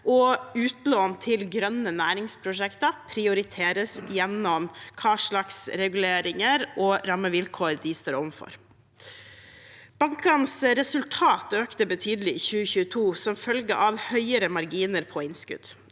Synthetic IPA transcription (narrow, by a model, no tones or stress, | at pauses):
ʔɔʉːt̪loːnt̪ʰɪlɡɾœnənæːɾɪŋspʰɾʊʂɛkt̪ɑpʰɾɪʊɾɪt̪ʰeːɾəsjɛnɔmkʰɑːʂlɑksɾɛɡʉleːɾɪŋəɾɔːɾɑmːəʋɪlkʰoːɾd̪iːst̪əːɾɔʋnfɔ̰ɾ | b̥ɑŋkɑnsɾɛsʉlt̪ʰɑːt̪øːkt̪əbət̪ʰyːd̪əlɪçʉːəçʉːət̪ʰuːsɔmfœlɡə̰ʔɑʋhœʏəɾəmɑɾɡiːnəɾpʰɔɪnskʉ̰d̪̥